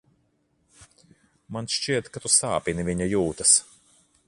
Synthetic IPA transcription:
manʃt͡ʃiɛt̪kat̪usaːpiniviɲajuːt̪ɐs

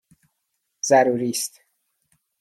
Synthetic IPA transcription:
z̥æɾuːɾiːst̪

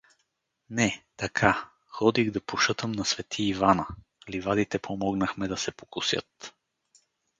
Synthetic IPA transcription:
nɛt̪ɐkʰa | xɔd̪iɣd̪ɐpoʃɤt̪əmnɐsvɛt̪ʰiːvanə | livad̪it̪ɛpʰomɔɡnəxmɛd̪ɐsɛpo̥kʊsjɤ̰t̪

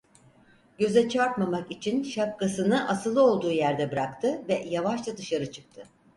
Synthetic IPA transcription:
ɟø̞zɛt͡ʃʰaɾt̪mamakit͡ʃʰinʃap̚kasɯnɯʔasɯlˠɯo̞lˠd̪uːjæɾd̪ɛbɯɾakt̪ʰɯvɛjavaʃlˠad̪ɯʃaɾɯt͡ʃʰɯ̥k̚t̪ʰɯ

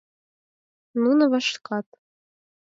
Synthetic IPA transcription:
nunɤ̆βɑʃkɑt̪̚

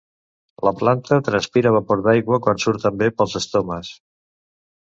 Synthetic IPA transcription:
ləplant̪ət̪ɾənspiɾəβapoɾðajɣwəkwansuɾt̪əmbepəlˠzəst̪oməs

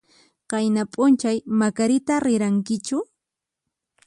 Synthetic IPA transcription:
qɑjnapʼʊnt͡ʃajmakaɾɪt̪aɾɪɾaŋkɪt͡ʃʊ

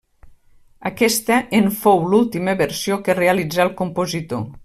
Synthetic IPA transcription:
əkɛst̪əʔeɱfowlulˠt̪iməβəɾsiokərealid͡zalˠkumpozit̪o

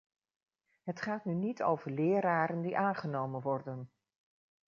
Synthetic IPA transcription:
ɦətχaːtnynitʰo̰wvəɹlɪːɾaːɾəndiʔaːnχənowmənʋɔɹdən

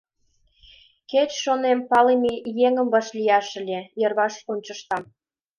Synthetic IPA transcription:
ket͡ɕʃonempɑlemijeŋə̆mbɑʃlʲijɑʃə̆lʲejɤrβɑʃonʲt͡ɕə̆ʃt̪ɑm

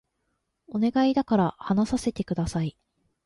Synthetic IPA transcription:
o̞ne̞ɡaid̪akaɾahanasase̞t̪e̞kɯ̟d̪asai

